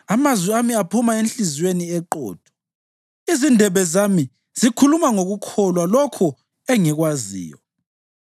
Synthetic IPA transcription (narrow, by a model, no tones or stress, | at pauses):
amazwiamiapʰumaent͡ɬizweniɛǃɔ̰ːd̥ʱɔ̥ | izindʱɛβɛzami | z̥ikʰulumaŋoɣukʰɔlwalɔkʰɔ | ɛŋɛɣwazḭːjɔ